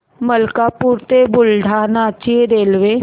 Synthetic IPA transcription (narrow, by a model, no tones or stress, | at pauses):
məlkaːpuːɾt̪ebʊlɖʱaːnat͡ʃieɾeːlʋe